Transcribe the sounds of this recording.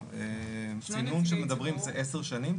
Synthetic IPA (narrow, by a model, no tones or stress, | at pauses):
emsinunʃeme̞d̪ɐbʁimzeʔeseʁʃanim